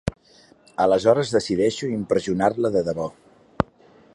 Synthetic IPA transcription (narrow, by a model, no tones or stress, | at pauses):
ələzɔɾəzðəsiðɛʃuimpɾəziunarləðəðəβɔ